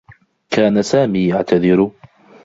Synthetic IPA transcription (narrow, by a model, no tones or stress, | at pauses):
kaːnasaːmiːjaʕt̪ʰaðɪɾʊ